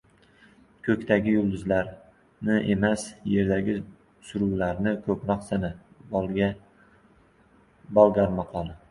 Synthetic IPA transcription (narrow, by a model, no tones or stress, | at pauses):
kʰɵkʲt̪ʰaɡʲɪjʊlˠd̪ʊzlaɾ | nɪʔe̞masje̞ɾd̪aɡʲɪ | sʊɾuwlaɾnɪkʰɵpɾɒqsana | bɒlˠɡʲaɾmɑqʰɒlˠɪ